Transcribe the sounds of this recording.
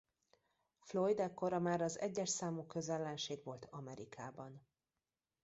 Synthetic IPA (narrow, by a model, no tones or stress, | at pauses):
flojd̪ɛkːoɾɒmaːɾɒzɛ̰ɟːɛʃsaːmukøzɛlːɛnʃeːɡvo̞lt̪ɒmɛɾikʰaːbɒn